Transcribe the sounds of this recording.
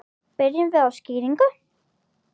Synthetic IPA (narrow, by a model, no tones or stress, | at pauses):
pɪɾjɪmvɪðasciːɾiŋkʏ